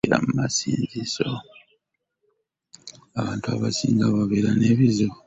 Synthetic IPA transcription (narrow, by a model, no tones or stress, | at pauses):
ɾa̰mumasiːnziso | aβaːntuaβasiːŋɡaβaβeɾane̞βizo